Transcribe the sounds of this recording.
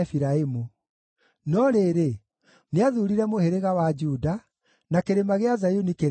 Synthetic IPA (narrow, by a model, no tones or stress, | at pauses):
fiɾaemu | nɔɾeːɾe | neaðuɾiɾɛmoheɾeɣawad͡ʒuda | nakeɾemaɣeazajunikeɾ